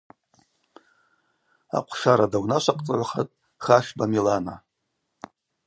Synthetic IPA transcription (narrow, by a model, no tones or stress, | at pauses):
a̰qʷʰʃaɾadawnaʃʷaqʼt͡sʼaʕʷaχatʼ | χaʃbamilana